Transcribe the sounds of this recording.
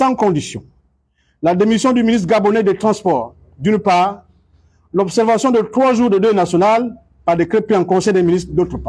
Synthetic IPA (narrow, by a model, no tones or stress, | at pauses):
sɑ̃kɔ̃d̪isjɔ̰̃ | lad̪emisjɔ̃d̪yminist̪ɡabɔnɛd̪et̪ʁɑ̃spɔːʁ | d̪ynpaːʁ | lɔbsɛʁvasjɔ̃d̪ət̪χwaʒuːʁd̪əd̪ønasjɔnal | paʁd̪ekɾepeɑ̃kɔ̃sɛjd̪eminist̪d̪ot̪ʁəpa